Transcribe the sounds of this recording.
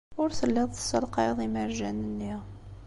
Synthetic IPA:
ʊɾθəlːiðˤθsˤːɑlqɑðˤiməɾʒænənːi

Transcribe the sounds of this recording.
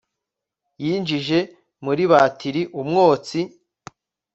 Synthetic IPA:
jiːnd͡ʒiʒe̞ | muɾiβaːtʰiɾiʔumŋoːt͡si

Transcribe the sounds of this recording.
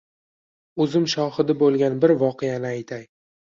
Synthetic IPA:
ɵzɪmʃɒχɨd̪ɪbolˠɡʲanbɪɾvɒqʰejanɪajt̪ʰaj

